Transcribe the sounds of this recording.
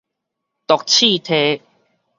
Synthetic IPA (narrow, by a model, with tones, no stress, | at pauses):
t̪ɔ˨k̚t͡ɕʰi˥˨t̪ʰe˦